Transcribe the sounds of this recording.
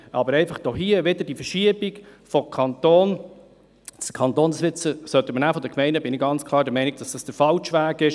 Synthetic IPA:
ɑbəɾɛɪfɑχd̥ɔɦiəʋɪdəɾd̥ifəɾʃiəbiɡfɔkʰɑnt̪oːn | t͡səkʰɑnt̪oːnsʋɪt͡səsœt̪əmənæfɔd̪əkmɛɪndəbɪnɪɡɑnt͡skʰlˠɑːɾdəɾmɛɪnɪɡ̚d̥ɑsd̥ɑsd̥əfɑlʃʋæːɡɪʃ

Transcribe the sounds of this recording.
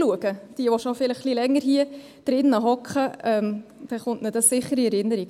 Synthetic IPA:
luəɡ̥əd̥iəʋɔʃofɪləχːlilɛŋːəɾhiə | d̥ɾɪnːəɦɑkχəɛmd̥ɛχʊntnədɑssɪχːəɾiɛɾɪnːəɾiɡ

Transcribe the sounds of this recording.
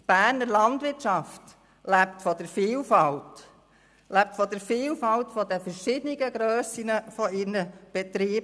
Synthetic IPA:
b̥æːɾnəɾlɑndʋɪɾtʃɑft | læp̚tfɔd̥ɛɾfiːlfɑlt | læp̚tfɔdɛɾfiːlfɑltfɔdəfɛɾʃɪd̥əniɡəɡɾøːsinəfɔɪɾnəb̥ɛt̪ɾiːb

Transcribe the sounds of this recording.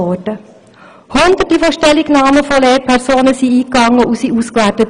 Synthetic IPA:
ɔːɾd̥ə | hʊnd̪ətifɔʃtɛlːiɡnɑːməfɔleːɾpʰɛɾsoːnəsiiːkɑŋːəʔusiʔuskʋætət

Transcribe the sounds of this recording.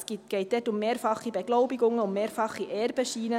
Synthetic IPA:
sɡ̥itɡ̥ɛɪt̚d̥̪ɛtʊmːeːɾfɑχibɛɡ̥lɔʊbɪɡʊŋːəʊmmeːɾfɑχiʔɛɾbəʃiːnə

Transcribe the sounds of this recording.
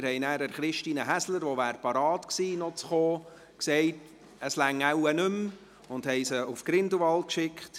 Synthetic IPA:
ɾhɛɪnæːɾəɾχɾɪʃtiːnəɦæsləɾʋɔʋæːɾpɑɾɑːtksiːnɔt͡sχoː | ksɛɪt | əslæŋːæwənʏm | ʊnd̥hɛɪsəufkɾɪnduvɑlkʃɪkχt

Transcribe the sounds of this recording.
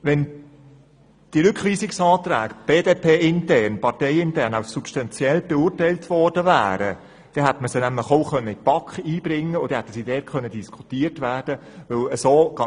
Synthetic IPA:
ʋɛn | d̥iɾʏkχliːsɪksɑːt̪ɾæːɡb̥eːdepʰeːʔɪntærnpɑtɛɪɪntæɾnaʊssupʃtɑnt͡sjɛlb̥ɛuːrtɛɪltʋɔːrd̥əvæ̰ːɾə | d̥ɛɦæt̪məsənæmləχoʊχœnːəipɑkχiːbɾɪŋːəod̥̪ɛhɛt̪ːəsid̥̪ɛːtkʰœnːəd̥iskʰu̥tiːrtʋæːrd̥əʋɵləsoːɡ̥ɑ

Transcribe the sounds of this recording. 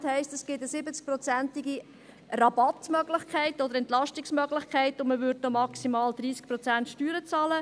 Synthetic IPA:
thɛɪstɛsɡ̥ɪtəsɪbət͡sk̚pɾɔt͡sæntiɡi | rɑbɑtmœɡlɪχkχɛɪtəɔd̪əɾɛnt̪lɑʃtɪksmœɡlɪχkχɛɪtʊnməvʏɾdnomɑksimɑːld̪ɾiːsk̚pɾɔt͡sæntʃtyːɾət͡sɑːlə

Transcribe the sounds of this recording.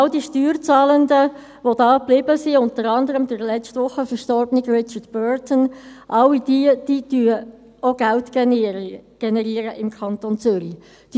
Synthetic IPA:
ld̥iʃtyːɾt͡sɑːlənd̪ə | ʋod̥ɑːblɪːbəsiʊnt̪əɾɑnd̪əɾəmd̥̪əɾlɛt͡stʋʊχəfəɾʃtɔɾbnɪɡrɪt͡ʃəd̥b̥œːɹtənʔɑlːid̥id̥iːd̥yə | oɡ̥æltɡ | ɡ̥ɛnɛʁiəɾəʔɪmkʰɑnt̪ont͡sʏɾi | d̥

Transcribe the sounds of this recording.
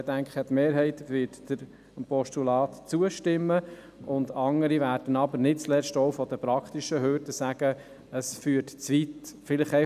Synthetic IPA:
dæŋkχətmeːɾɦɛɪt̪vɪtd̥əɾ | əmpɔʃtulɑːt̪t͡suəʃtɪmːə | ʊnd̪ɑŋːəɾivæːɾd̥ənɑbəɾnɪt̚t͡slɛstoʊfɔd̪əpɾɑkt̪iʃəɦøːɾd̥əsæɡ̥ə | əsfyːəɾtt͡sʋit̪fɪlɪχɛ

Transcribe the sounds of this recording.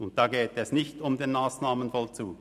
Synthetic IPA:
ʊnt̚d̥ɑːɡeːtɛsnɪçtʊmdeːnmaːsnaːmənfɔlt͡suː

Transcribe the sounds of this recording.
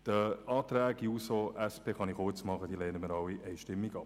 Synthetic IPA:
d̥əɑːt̪ɾæːɡjusoʔɛspʰeːχɑniχʊrt͡smɑχəd̥̪iːlɛːnəməɾɑwiʔɛɪʃtɪmːiɡ̥ɑp

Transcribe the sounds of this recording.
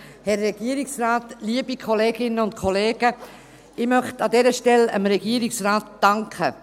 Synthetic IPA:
hɛrːɛɡ̥iəɾɪksraːtliəbikʰɔleːɡ̥ɪnəʊntkʰɔleːɡ̥ə | ɪmœχtɑdɛɾəʃtɛləmɾɛɡ̥iəɾɪksraːt̚d̥ɑŋkʰə

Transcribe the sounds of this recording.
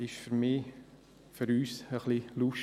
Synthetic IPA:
ɪʃfəɾmiː | føɾyːsəχliluʃ

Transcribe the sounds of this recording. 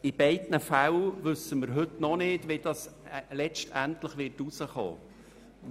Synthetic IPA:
ibɛɪdnəfæwʋɵsːəməɾɦɵtnɔnɪːdʋidɑslɛt͡ʃtæ̰ntləχʋɪːtusəχo̰ː

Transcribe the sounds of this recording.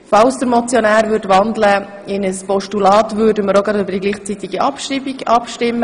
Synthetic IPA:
fɑlsd̥əɾmɔt͡sjonæːɾvʏɾdʋɑndlə | ɪnəspɔʃtulɑːtvʏːɾdəməɾoɡɾɑdybəɾdiɡliːχt͡siːt̪iɡ̥iʔɑpʃtɪbiɡɑpʃtɪmːə

